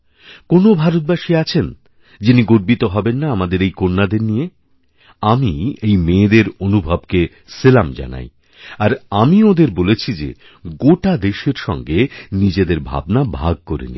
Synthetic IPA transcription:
konobʱaɾot̪̚baʃiat͡ɕʰen | d͡ʑiniɡoɾbit̪oɦɔbenːaamad̪eɾejkonːad̪eɾnije | amiejmeːd̪eɾonubʱabke | selamd͡ʑa̰na̰j | aɾamiod̪eɾbolet͡ɕʰid͡ʑḛ | ɡoʈad̪eʃeɾʃɔ̰ŋɡenid͡ʑed̪eɾbʱa̰bnabʱaɡ̚koɾḛnḭ

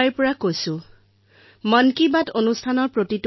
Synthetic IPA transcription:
jɹpɔɹakojsʊ̃ | mʌnkibatonustʰanɔɹpɹotit

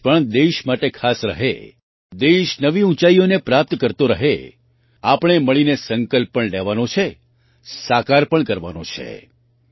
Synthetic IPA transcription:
pəɳd̪eʃmaʈekʰasɾə̰ɦḛ | d̪eʃnəʋiũt͡ʃaionepɾap̚t̪kəɾt̪oɾəɦḛ | apɳ̃eməɭinesəŋkəlpːəɳlɛʋanõt͡ʃʰe | sakaɾpəɳkəɾʋa̰nõ̰t͡ʃʰḛ

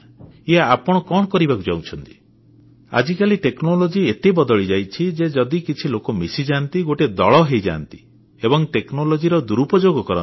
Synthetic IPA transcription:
iaːpɔɽ̃ɔkɔɽ̃ɔkɔɾibakud͡ʒawt͡ʃʰɔnt̪i̥ | a̰d͡ʒikaliʈeknɔlɔd͡ʒiet̪ebɔd̪ɔɭid͡ʒajt͡ʃʰid͡ʒed͡ʒɔd̪ikit͡ʃʰilokɔmisid͡ʒant̪iɡoʈed̪ɔɭɔɦejd͡ʒa̰ːnt̪i̥ | ebɔŋʈeknɔlɔd͡ʒiɾɔd̪uɾupɔd͡ʒoɡɔkɔɾɔ̰

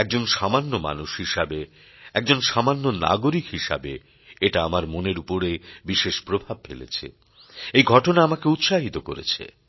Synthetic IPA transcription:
ɛk̚d͡ʑonʃamanːoma̰nuʃhiʃabe | ɛk̚d͡ʑonʃamanːona̰ɡoɾikɦiʃa̰be | eʈaamaɾmoneɾupoɾebiʃeʃpɾobʱab̚felḛt͡ɕʰḛ | ejɡʱɔʈonaamakeut̪ʃaɦit̪oko̰ɾḛt͡ɕʰḛ

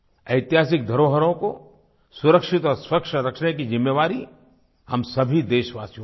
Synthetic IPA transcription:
ɐɪt̪jɦaːsɪk̚d̪ʱɐɾoːɦəɾõko | sʊɾəkʃɪt̪ɔːɾswɐkʃəɾɐkʃɽekizɪmːeʋaːɾi | hɐmsɐbʱid̪eːʃʋaːsijõ

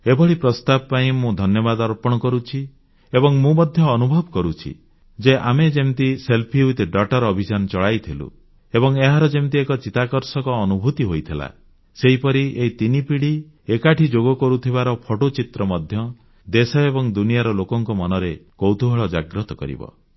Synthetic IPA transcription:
ebɔɭipɾɔst̪abɔpaĩmũd̪ʱɔnjɔbad̪aɾɔpɔɽ̃ɔkɔɾut͡ʃʰi | ebɔŋmũmɔd̪ʱjɔːnubʱɔbkɔɾut͡ʃʰḭ | d͡ʒeʔamed͡ʒemt̪iselpʰiut̪ɖɔʈɔɾɔbʱid͡ʒanɔt͡ʃɔɭajt̪ʰilṵ | ebɔŋeɦaɾɔd͡ʒemt̪̬iekɔt͡ʃit̪akɔɾsɔkɔːnubʱut̪iɦojt̪ʰila̰ | seɦipɔɾieit̪inipiɽi | ekaʈʰid͡ʒoɡɔkɔɾut̪ʰiβaɾɔpʰɔʈot͡ʃit̪ɾɔmɔd̪ʱjɔ | d̪esɔebɔŋd̪unijaɾɔlokɔŋkɔmɔnɔɾekowt̪uɦɔɭɔd͡ʒaɡɾɔt̪ɔ̥kɔ̰ɾḭbɔ̰

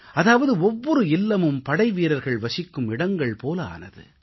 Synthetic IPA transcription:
ɐðaːʋɐðɯɔʋːɔɾɯɪlːɐmɯmpɐɽɐɪʋiːɾɐɾɣɐɭʋɐsɪkːɯmɪɽɐŋɡɐɭpoːlɐa̰ːnɐðɯ̰

